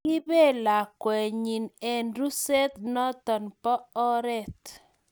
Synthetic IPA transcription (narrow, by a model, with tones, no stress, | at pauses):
ɪ˦be˦˨la˨kwɛ˨ɲi˨nɛ˨nɾu˦sɛ˦t̪nɔ˦t̪ɔ˨npɔ˦ɔ˦ɾɛ˦˨t̪